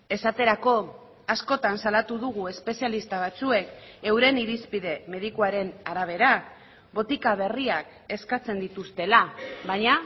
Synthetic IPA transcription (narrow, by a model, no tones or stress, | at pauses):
e̞sat̪e̞ɾako̞ | asko̞t̪ansalat̪uðuɣ̞ue̞spe̞sialist̪aβ̞at͡sue̞ke̞wɾe̞niɾispiðe̞me̞ð̞ikuaɾe̞naɾaβ̞e̞ɾa | βo̞t̪ikaβ̞e̞riak | e̞skat͡se̞nd̪it̪ust̪e̞laβaɲa